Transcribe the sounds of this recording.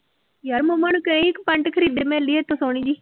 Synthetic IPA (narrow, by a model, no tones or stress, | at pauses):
jəɾmomənukəĩːɪkpəɳʈkʰəɾiːd̪eːmɛːlːiːɦɛːt̪õːsoːɽ̃iːd͡ʒiː